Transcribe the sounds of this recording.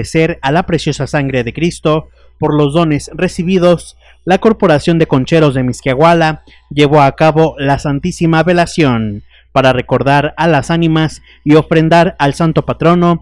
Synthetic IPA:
ese̞ɾalapɾe̞sjo̞sasaŋɡɾeðe̞kɾist̪o̞ | po̞ɾlo̞zðo̞ne̞sre̞siβið̞o̞s | lako̞ɾpo̞ɾasjo̞nd̪e̞ko̞nt͡ʃe̞ɾo̞zðe̞miskjaɣwala | ʝe̞βo̞akaβo̞lasant̪isimaβe̞lasjo̞n | paɾare̞ko̞ɾðaɾalasanĩmas | io̞fɾe̞nd̪aɾalsant̪o̞pat̪ɾo̞no̞

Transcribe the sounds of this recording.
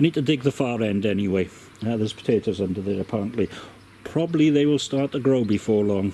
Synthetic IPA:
niːd̚tʰədɪɡ̚ðəfɑːɹɛ̃ndɛniweɪ | ðəz̥pʰə̥tʰeɪtoʊzʌ̃ndəðəɹəpʰaɹə̃nʔli | pʰɹ̥ɔbəbliðeɪwɪlˠstɑɹt̪̚əɡɹoʊbifɔːɹlɔ̃ŋ

